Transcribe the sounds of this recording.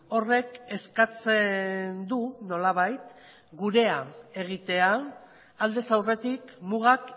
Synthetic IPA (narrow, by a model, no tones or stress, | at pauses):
o̞re̞ke̞skat͡send̪uno̞laβ̞ajt̪ | ɡuɾe̞ae̞ɣ̞it̪e̞aː | ld̪e̞sawre̞t̪ikmuɣak